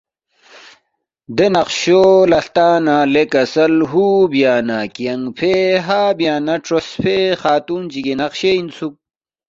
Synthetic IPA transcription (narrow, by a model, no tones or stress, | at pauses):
d̪enɐqɕolɐɬt̪aːnalekɐsɐlɦubijaːnakijɐŋpʰeɦaːbjaːnɐʈ͡ʂʰosfʰexaːt̪und͡ʑiɡenɐqɕeinsuk̚